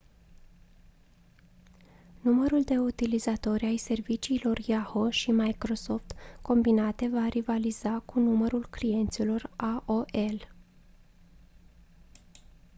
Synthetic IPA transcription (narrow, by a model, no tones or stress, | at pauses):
numəɾuld̪e̞ut̪ilizat̪o̞ɾʲajse̞rvit͡ʃiːlo̞rjahoʃimajkɾo̞so̞ft̪ko̞mbinat̪e̞varivaliz̥akunuməɾulklije̞nt̪silo̞raʔoʔe̞l